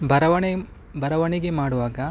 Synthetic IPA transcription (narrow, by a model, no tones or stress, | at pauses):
bʱɐɾɐʋɐɳe | bʱɐɾɐʋɐɳiɡe̞maːɽuʋaːɡɐ